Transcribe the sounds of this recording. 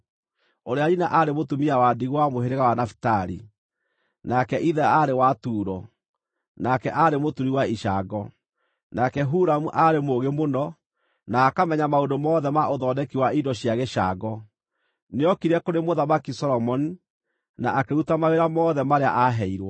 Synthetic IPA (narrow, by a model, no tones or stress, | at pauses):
oɾeaɾinaʔaɾemotumiawadiɣwamoɦeɾeɣawanafi̥taɾḭ | nakɛʔiðɛaɾewatuːɾɔ | nakɛʔaɾemotuɾiwaiʃaɡɔ | nakɛɦuɾamuʔaɾemoɣemonɔ | naːkamɛɲamaondomɔːðɛmaʔoðɔːnɛkiwaidɔɕijaɣɛʃaɡɔ | neɔkiɾɛkoɾemoðamakisɔɾɔmɔni | naʔakeutamaɣeɾamɔːðɛmaɾea̰ʔaɦɛiɾwɔ